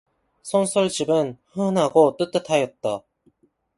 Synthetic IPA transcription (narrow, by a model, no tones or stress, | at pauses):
sʰʌnsʰʌɭd͡ʑibɯnhɯnɦaɡot͈ɯt͈ɯtʰajʌt̚t͈a